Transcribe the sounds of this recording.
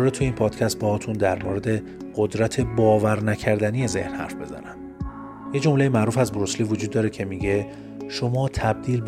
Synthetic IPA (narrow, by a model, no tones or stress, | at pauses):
ɾet̪ʰuiːnpʰɒːd̪̥cʰæst̪̚behɒːt̪ʰund̪æɾmoːɾe̞d̪e̞ | ɢ̥od̪ɾæt̪ʰe̞bɒːvæɾnæcʰæɾd̪ænije̞ze̞̰hnhæ̰ɾfbe̞zæ̰næm | jed͡ʒo̞mlejemæʔɾuːfæzboɾosliːvod͡ʒud̪ːɒːɾecʰe̞miɟe̞ | ʃomɒːt̪ʰæb̚d̪iːlb